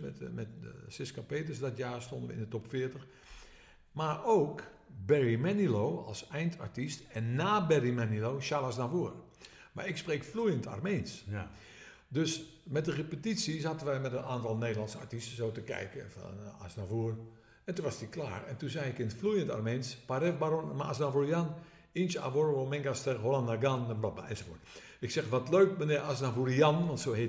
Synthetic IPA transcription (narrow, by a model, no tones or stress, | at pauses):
mɛtmɛtsɪskapeːtəsdɔtjaːstondəʋə̰ɪ̰ndətɔpfɪətəx | maroːk | bɛrimɛniloːa̰lˠsɛjntʰa̰ɹtistɛnːaːbɛrimɛniloːʃalasnavuər | ma̰ɹɪkspreːkflujənta̰rmeːns | døs | mɛt̚dərepətitsisatənʋɛjmɛtənaːntɔlˠneːdəlˠansa̰rtistsoːtəkɛ̰jkəfɔ̰na̰snavuər | ɛntunʋɔsdikla̰ːrɛ̰ntunzɛjɪkɪntflujənta̰rmeːnspaɾɛfbaɾonmaasnavurijan | insa̰ʋorʋomɪŋɡastəholandaɡanəblɔtma̰ɛnsofo̰ət | ɪksɛxʋɔtløːkmənɪasnavurianʋɔntsoːhe